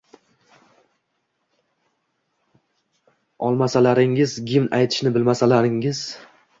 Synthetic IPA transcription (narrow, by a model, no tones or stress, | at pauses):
ɒlˠmasalaɾɪŋɪzɡʲɪmnʔajt̪ʰɪ̥ʃnɪbɪlmasalaɾɪŋɪz̥